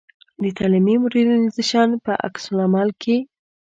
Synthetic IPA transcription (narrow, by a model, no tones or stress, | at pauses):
d̪ət̪ʰɑlimimʊɾed̪nizəʃɑnpəʔa̰ksʊlamɑlkʰe